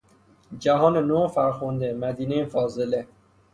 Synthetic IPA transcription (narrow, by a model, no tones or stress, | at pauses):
d͡ʒæɦɒːnenofæɾxond̪emæd̪iːnejefɒːzele